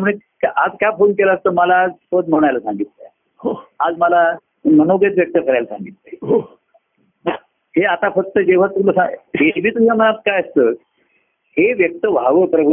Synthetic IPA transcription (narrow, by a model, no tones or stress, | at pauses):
t̪muɽ̃ekaʔad͡zkjafonkelaːst̪əməlaːd͡zfət̪̚m̤əɽ̃ajlasaŋɡit̪lə | ɦoad͡zməla | mənoɡet͡s̪ʋjək̚t̪əkəɾajlasã̰ŋɡit̪leɦo | ɦeat̪afək̚t̪əd͡ʑeʋ̤aɾt̪umləsãɦebʱiːt̪ud͡zʱamənat̪̚kajəst̪ə | heʋjək̚t̪əʋ̤ʱaʋəpɾəbʱu